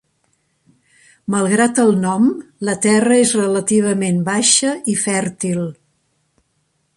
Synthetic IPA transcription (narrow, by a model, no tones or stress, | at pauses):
məlˠɣɾat̪əlˠnɔmlət̪ɛrəezrələt̪iβ̞əmembaʃəifɛɾt̪ilˠ